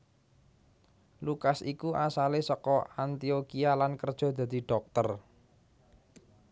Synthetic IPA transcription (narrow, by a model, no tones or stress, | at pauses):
lukasikuʔasalesɔkɔant̪iokialankərd̥ʒ̥ɔ̤d̪̥ä̤d̪̥i̤ɖ̥ɔ̤k̚t̪ər